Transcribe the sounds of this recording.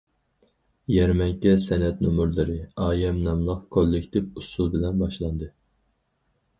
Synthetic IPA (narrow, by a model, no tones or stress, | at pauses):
jɛɾmɛŋkʲɛsɛnɛt̪nomuɾlˠɨɾɨɑːjɛmnɛmlˠɑχkʰolˠːɪkʲt̪ʰɪfusulˠbɪlɛnbɑʃlˠɑnd̪ɨ